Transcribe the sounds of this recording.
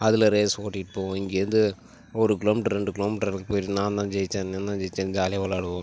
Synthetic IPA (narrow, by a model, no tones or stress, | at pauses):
ɐðɪlɐɾeːsoːʈːiʈpoːʋõɪŋɡeːɾɐnd̪ɯ | ɔɾɯkɪloːmiːʈɐɾɾɛɳɖɯkɪloːmiːʈɐɾlkːɯpoːjʈnãːnd̪ãːd͡ʒɛjt͡ʃːẽːnneːnd̪ãːd͡ʒɛjt͡ʃːẽːnd̪ɯd͡ʒaːlɪjɐʋɐlaːɽɯʋõː